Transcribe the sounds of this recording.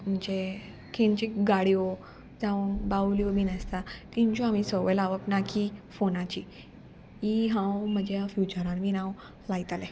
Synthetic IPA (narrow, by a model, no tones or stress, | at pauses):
m̤əɲd͡ʑe | kʰẽnt͡ɕiɡaɽio | d͡zaunbawliomiːnəst̪at̪iɲt͡ɕoamisəʋəlaʋəpnakʰifonat͡ɕi | iɦãwm̤əd͡ʑjafjut͡ɕəɾãnmiːnãw | lait̪ale